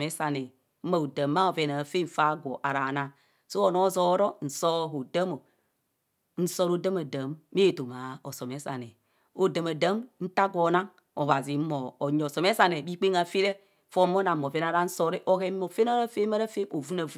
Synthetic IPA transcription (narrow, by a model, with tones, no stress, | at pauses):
me˦sa˨ne˨ | m̩˦a˨o˨da˨mːa˦o˨ve˨˦na˨fe˦n̩˦˨fa˦ɡʷo̰˨ʔa˨ɾa˨na˦˨ | so˦o˨no˦zo˨˦ɾo˦n̩˨so˦˨ɦo˨da˦mo˨ | n̩˦so˦ɾo˦da˦ma˨da˨mːe˦˨to˨ma˨o˨so˨me˨˦sa̰˨ne˨ | o˨da˨ma˨da˦mn̩˦ta˦ɡo˨˦na˦ŋ | o˨va˨zi˨˦mo˨o˨ɲo˨so˨me˦sa˨ne˨bi˦k͡pe˦ŋa˨fe˦ɾe˦ | fo˦mo˦na˨m˨o˨ve˦na˨ɾa˦n̩˦so˦ɾe˦ʔo˦ke˦o˨fe˦na˦ɾa˦fe˦ma˦ɾa˦fe˦o˨vu˦na˨v